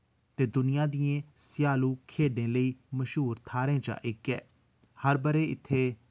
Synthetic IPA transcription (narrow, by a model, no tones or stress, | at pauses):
t̪eːd̪ʊnɪjãːd̪ijẽːsɪjaːlũːkʰeːɖẽːləiːməʃɦuːɾt̪ʰaːɾẽːd͡ʒa̰ːʔɪkːɛː | həɾbəɾeːɪt̪ʰːeː